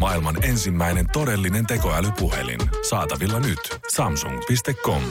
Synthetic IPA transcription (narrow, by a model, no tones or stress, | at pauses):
mɑilmɑne̞nsimːæjne̞nt̪o̞ɾe̞lːine̞nt̪e̞ko̞ælypuɦe̞̰lḭnsɑːt̪ɑʋilːɑnyt̪sɑmsuŋɡpist̪e̞kːo̞m